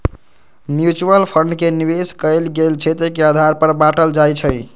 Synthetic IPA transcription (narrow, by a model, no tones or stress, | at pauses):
mjut͡ʃuəlpʰəɳɖkeniβeskəjlɡelt͡ʃʰɛt̪ekeəd̪ʱaɾpəɾbaʈəld͡ʒajt͡ʃʰəj